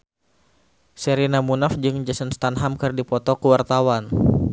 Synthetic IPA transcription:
sɛɾinamunafd͡ʒɨŋd͡ʒəsənst̪anɦamkɨrdipɔt̪ɔkəwart̪awan

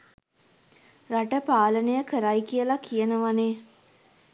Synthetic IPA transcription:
raʈəpaːlənəjəkəɾajkijəlakʰijənəʋaneː

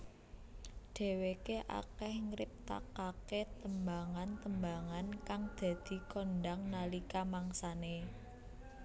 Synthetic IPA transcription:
ɖ̥e̤wekeʔa̰kɛhŋəɾɪp̚t̪a̰kaket̪əmbaŋant̪əmbaŋankaŋd̪̥ä̤d̪̥i̤kɔnɖaŋnalikamaŋsane

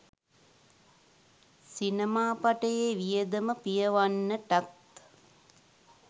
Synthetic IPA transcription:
sinəmaːpaʈəjeʋijəd̪əməpijəʋanːəʈat̪

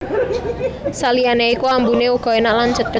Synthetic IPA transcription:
salianeikuambuneuɡ̥ɔ̤enaʔland͡ʒət̪̚ɡ̥ə

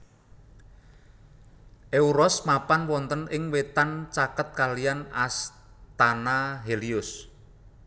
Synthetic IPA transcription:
ʔeuɾɔsmapanwɔnt̪ənɪŋwet̪ant͡ʃakət̪̚kalijanas | t̪anaɦeliʊs

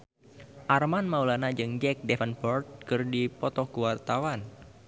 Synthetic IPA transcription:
ʔarmanmaulanad͡ʒɨŋd͡ʒɛk̚dɛfənpɔrt̪̚kɨrdipɔt̪ɔkuwart̪awan

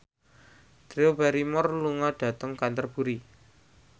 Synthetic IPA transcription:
d̪̥ɾeobaɾimɔrluŋaɖ̥ä̤t̪əŋkant̪ərb̥ṳɾi

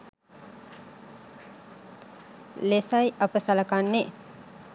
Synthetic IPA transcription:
lesajʔapəsaləkanːe

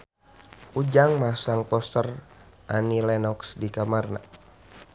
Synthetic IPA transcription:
ʔud͡ʒaŋmasaŋpɔst̪ərʔanilɛnɔksdikamarna̰

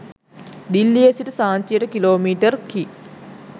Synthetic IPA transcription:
d̪ilːiesiʈəsaːɲt͡ʃijəʈəkiloːmiːʈərki

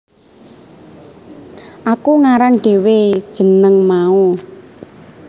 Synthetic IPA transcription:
ʔakuŋaɾaŋɖ̥e̤wed̥ʒ̥ə̤nəŋmau

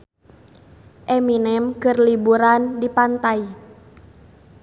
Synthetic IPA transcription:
ʔɛminɛmkərlibuɾandipant̪ai

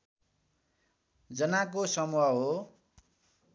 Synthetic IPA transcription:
d͡zʌnakosʌmuaɦo

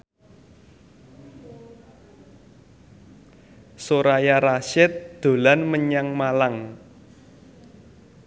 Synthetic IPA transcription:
soɾajaɾaʃɪt̪̚d̪̥o̤lanməɲaŋmalaŋ

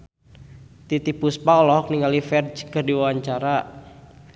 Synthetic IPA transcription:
t̪it̪ipuspaɔlɔɦɔk̚niŋalifɛrd͡ʒkərdiwawaɲt͡ʃaɾa

